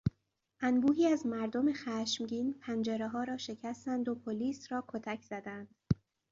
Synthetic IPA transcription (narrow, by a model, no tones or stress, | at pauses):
ʔænbuːɦiːæzmæɾd̪o̞mexæːʃmɟiːnpʰænd͡ʒeɾeɦɒːɾɒːʃe̞cʰæst̪ænd̪o̞pʰoliːsɾɒːkʰot̪ʰæcʰz̥æd̪ænd̪̥